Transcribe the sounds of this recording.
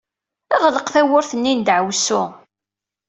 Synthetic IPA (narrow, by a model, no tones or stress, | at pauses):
æʁləqθæwʊɾθənːind̪ʕəwsʊ